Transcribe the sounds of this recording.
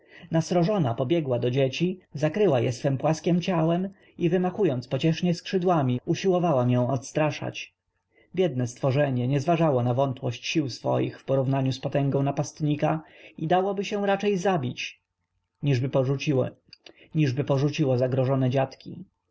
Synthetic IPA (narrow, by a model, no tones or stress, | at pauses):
nasɾɔʐɔnapɔbʲjɛɡwad̪ɔd͡ʑet͡ɕizakɾɘwajɛ̰sfɛmpwaskʲɛmt͡ɕawɛm | ivɘmaxujɔnt̪spɔt͡ɕɛʂɲɛskʂɘd̪wamʲiuɕiwɔvawamjɛ̃w̃ɔt̪st̪ɾaʂa̰t͡ɕ | bʲjɛd̪̚nɛst̪fɔʐɛɲɛɲɛzvaʐawɔnavɔnt̪wɔɕt͡ɕɕiwsfɔ̰jḭxfpɔɾuvnaɲuspɔt̪ɛŋɡɔ̃w̃napast̪ɲikaid̪awɔbɘɕɛ̃ɾat͡ʂɛjzabʲit͡ɕ | iʐbɘi | ɲiʐbɘpɔʐut͡ɕiwɔzaɡɾɔʐɔnɛd͡ʑat̪kʲḭ